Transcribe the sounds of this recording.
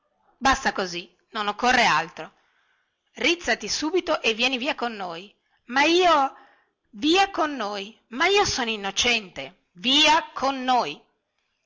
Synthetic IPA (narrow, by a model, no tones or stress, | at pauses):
bast̪akozi | nonokːorːealt̪ɾo | rit̪sːat̪isuːbit̪oʔevːjɛːniviːakonːoːj | maiːo | viːakonːoːj | maiːosoːnoinːot͡ʃɛnt̪e | viːakʰonːoːj